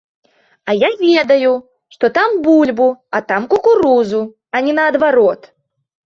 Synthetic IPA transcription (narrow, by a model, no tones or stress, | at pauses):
ɐjavʲɛd̪ɐju | ʂt̪ɔt̪ambulʲbuɐt̪amkukuɾuzu | ɐnʲɛnɐːd̪vaɾɔt̪